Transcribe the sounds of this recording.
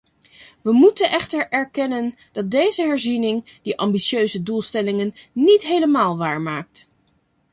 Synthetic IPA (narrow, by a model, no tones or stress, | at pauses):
ʋəmutənʔɛχtəɹɛɹkɛnən | d̥ɑt̚dejzəɦɛɹzinɪŋd̥iʔɑmbiʃøɥzədulˠstɛlɪŋənːitɦejləmaːlˠʋaːɹmaːk̚t